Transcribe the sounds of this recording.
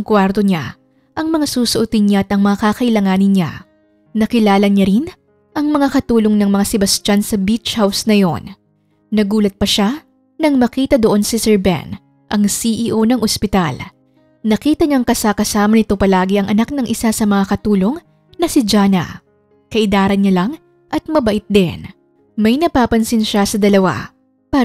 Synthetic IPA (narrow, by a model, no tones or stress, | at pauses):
ŋkwaɾt̪o̞ɲa̰ | ʔɐŋmɐŋasuːsoʔʊt̪ɪnɲaʔɐt̪ɐŋmɐŋakakɐʔɪlɐŋaːnɪnɲa̰ | nɐkɪlaːlɐɲaɾin | ʔɐŋmɐŋakɐt̪uːlo̞ŋnɐŋmɐŋasɪbɐst͡ʃansɐbit͡ʃhawsnɐjo̞̰nː | ɐɡuːlɐt̪̚pɐʃa | nɐŋmɐkiːt̪ɐd̪oʔo̞nsisɛɹbɛ̰n | ʔɐŋsiʔiːʔo̞nɐŋʔospɪt̪a̰l | nɐkiːt̪ɐɲɐŋkɐsakɐsaːmɐnɪt̪o̞pɐlaːɡɪʔɐŋʔɐnak̚nɐŋʔɪsasɐmɐŋakɐt̪uːlo̞ŋ | nɐsɪd͡ʒaːnɐ̰ | kɐʔɪd̪aːɾɐnɲalɐŋ | ʔɐt̪̚mɐbɐʔɪt̪̚d̪ɛn | mɐjnɐpaːpɐnsɪnʃasɐd̪ɐlɐwa̰ | pa